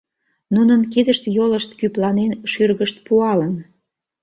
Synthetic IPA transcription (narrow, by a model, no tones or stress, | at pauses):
nunənkid̪əʃt̪joləʃt̪kyplɑnenʃyrɣəʃt̪̚puɑlən